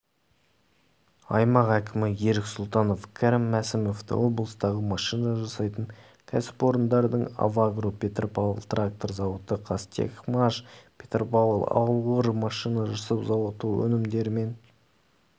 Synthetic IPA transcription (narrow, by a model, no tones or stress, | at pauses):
ɑjmɑqækʲʰɪmɪje̞ɾɪksʊlˠt̪ɑno̞fkʲʰaɾɪmːæsɪmo̞ft̪ə̰wo̞blˠəst̪ɑʁəmɑʃijnɑʒɑsɑjt̪əɴ | kʲʰæsɪ̥po̞ɾənd̪ɑɾd̪əɴa̰vaɡropʲʰe̞t̪rpalˠə̰lˠt̪rak̚t̪o̞ɾzɑwət̪əqʰɑst̪ḛkmaʃpʲʰe̞t̪rpɑlˠəlˠɑ̰wlˠʁəɾmɑʃijnɑʒɑsəpzɑwət̪uwɵ̰nɪmd̪e̞ɾɪme̞n